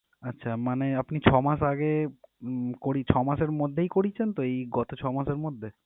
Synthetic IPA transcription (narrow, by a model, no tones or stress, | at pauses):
atːɕʰamaneapnit͡ɕʰɔmaʃaɡe | koɾit͡ɕʰɔmaʃeɾmod̪ʱːejkoɽit͡ɕʰent̪oejɡɔt̪ot͡ɕʰɔmaʃeɾmod̪ʱːe